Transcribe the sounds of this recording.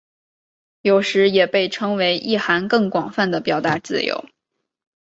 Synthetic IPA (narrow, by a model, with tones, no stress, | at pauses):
jo˨˩ʊʂɻ̩˧˥jɛ˨˩pe˥˩ɪʈ͡ʂʰɤ˥ŋwe˧˥ɪʔi˥˩xa˧˥nkɤ˥˩ŋkwɑ˨˩ŋfa˥˩nd̪ə˩pjɑ˨˩ʊt̪a˥˧˥t͡sɹ̩˥˩jo̰˧˥ʊ